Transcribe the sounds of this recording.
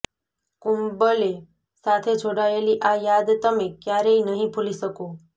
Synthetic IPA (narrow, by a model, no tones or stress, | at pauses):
kumbəle | sat̪ʰed͡ʒʱoɽaeliʔajad̪t̪əmekjaɾeinəɦĩpʰuliʃəko